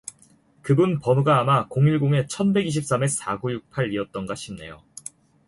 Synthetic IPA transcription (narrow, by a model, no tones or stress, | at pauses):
kɯbunpʌnoɡaːmakoŋiɭɡoŋe̞t͡ɕʰʌnbe̞ɡiɕ̬ʰip̚s͈ame̞s͈aɡujuk̚pʰaɾiʌt̚t͈ʌnɡaɕʰimne̞̰jo̰